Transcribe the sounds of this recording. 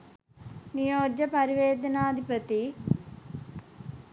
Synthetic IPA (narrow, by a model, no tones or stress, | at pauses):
nijoːd͡ʒɐpɐɾiʋeːd̪ɐnaːd̪ʱipɐt̪i